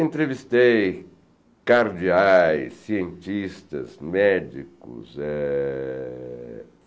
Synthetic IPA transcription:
ẽnt̪ɾevist̪ej | kaɾd͡ʒiajsːiẽnt͡ʃist̪ɐ̰zmɛd͡ʒḭkʊ̰sɛ

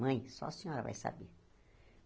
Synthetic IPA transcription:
ɐ̃j̃sɔ̰ɐsẽɲɔɾɐva̰jsa̰be

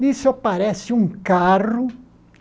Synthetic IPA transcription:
isopaɾɛsɪũŋkarʊ

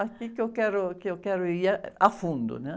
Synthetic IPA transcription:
akikɔkɛɾokeɔkɛɾʊiaafund̪ʊ̰nɛ

